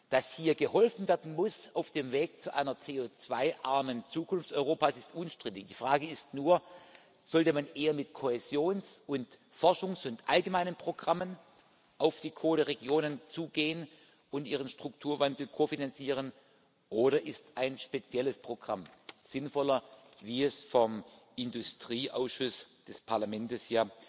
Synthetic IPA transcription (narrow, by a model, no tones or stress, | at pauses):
d̥ashiːɐɡəhɔlfn̩vɛːɐdn̩mʊsaʊfd̥eːmveːk̚t͡suʔaɪnɐt͡seːoːt͡sv̥aɪʔaɐmənt͡suːkʰʊnftt͡sɔʏʁoːpaːsɪstʔʊnʃtʁ̥ɪtɪçd̥iːfʁ̥aːɡəɪstnuːɐ | z̥ɔltəmanʔeːɐmɪtkʰohezjoːnsʊnt | fɔɐʃʊŋsʊntʔalɡəmaɪnənpʁ̥oɡʁamən | ʔaʊfd̥iːkʰoːdəʁeɡjoːnənt͡suːɡeːən | ʊntʔiːʁ̞ənʃtʁ̥ʊk̚tʰuːɐvandl̩kʰofinant͡siːʁ̞ən | ʔoːɾɐʔɪstaɪnʃpet͡sjɛləspʁ̥oɡ̥ʁa̰mz̥ɪnfɔlɐviːɛsfɔm | ɪndʊstʁ̥iːʔa̰ʊsʃʊsd̥ɛspʰaɐlamɛntəsjaː